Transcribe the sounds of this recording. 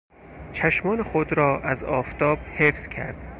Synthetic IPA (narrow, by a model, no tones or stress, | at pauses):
t͡ʃʰæʃmɒːnexod̪ɾɒːʔæzɒːft̪ʰɒːb̥hefz̥cʰæ̰ɾd̪̥